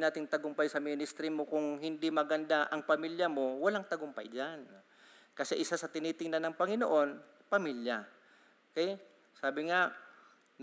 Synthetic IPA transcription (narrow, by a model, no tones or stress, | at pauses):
naːt̪ɪŋt̪ɐɡʊmpajsɐminɪst̪ɾɪmo̞kʊŋɦɪnd̪imɐɡɐnd̪aʔɐŋpɐmiljɐmo̞wɐlaŋt̪ɐɡʊmpa̰jd͡ʒan | kɐsɛʔɪsasɐt̪ɪniːt̪ɪŋnanːɐŋpɐŋɪno̰ʔo̞n | pɐmilja | okɛj | saːbɪŋa